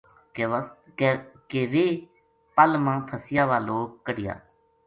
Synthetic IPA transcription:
keːʋeː | pəlmãːpʰəsɪjaːʋaːloːk̚ːəɽɪja̰ː

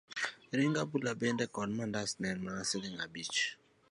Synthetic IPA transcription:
ɾiŋɡabulabɛndɛkɔnmandasnɛnmaasɛliŋabit͡ʃ

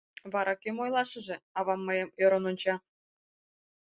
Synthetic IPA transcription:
βɑɾʔɑkʲømojlˠɑʃɤ̆ʒĕɑβɑmːɤ̆jɤ̆møɾɤ̆nont͡ɕɑ

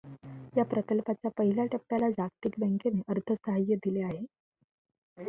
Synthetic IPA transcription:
japɾət̪əlpat͡ɕjapəɦilaʈəp̚ʈalad͡ʑakt̪ikbɛ̃ŋkeneʔəɾt̪ʰəsəɦajːəd̪ileaɦe

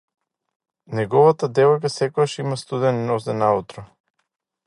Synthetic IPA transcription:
nɛɡɔvat̪ad̪ɛvɔjk̬asɛkɔɡaʃimast̪ud̪ɛninɔzɛnaut̪ɾɔ

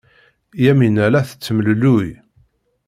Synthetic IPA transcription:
jæminælæθə̥t͡sːəməlluj

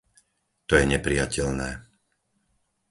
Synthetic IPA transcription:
t̪ɔjɛɲɛpɾijacɛlnɛː

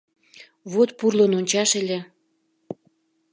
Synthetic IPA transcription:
βot̪purlononʲt͡ɕɑʃelʲe

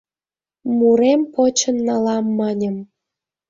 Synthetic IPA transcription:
muɾempot͡ɕə̆nːɑlɑmːɑnʲə̆m

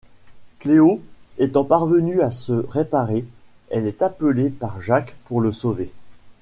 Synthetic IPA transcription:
kleoɛt̪ɑ̃paʁvənyasəʁepaʁe | ɛlɛt̪apəlepaʁʒakpuʁləsove

